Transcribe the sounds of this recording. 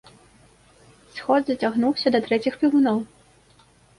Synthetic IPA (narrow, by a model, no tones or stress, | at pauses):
sxɔd̪zɐt͡sʲaɣnuwsʲɐd̪ɐt̪ɾɛt͡sʲixpʲiwunɔw